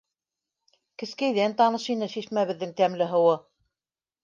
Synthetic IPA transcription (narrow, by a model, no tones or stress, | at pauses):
kɘ̆skæjðænt̪ɑnɤʃinɘʃiʃmæβɘ̆ðːɘŋt̪æmlɘɦɤ̆wɤ